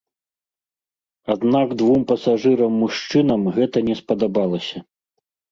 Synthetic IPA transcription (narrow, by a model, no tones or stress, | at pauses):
ad̪naɡd̪vumpɐsaʐɨɾɐmːuʂt͡ʂɨnɐmɣɛt̪ɐnʲɛspɐd̪abalˠɐsʲɐ